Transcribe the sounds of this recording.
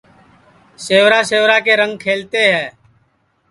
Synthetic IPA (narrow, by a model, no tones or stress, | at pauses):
seːʋɾaːseːʋɾaːkeːɾə̃ŋɡ̚kʰeːlt̪eːɦɛː